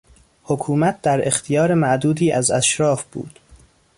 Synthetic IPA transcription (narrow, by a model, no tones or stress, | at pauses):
hokʰuːmæt̪̚d̪æɾext̪ʰijɒːɾemæʔd̪uːd̪iːʔæzæʃɾɒːfb̥ṵːd̪̥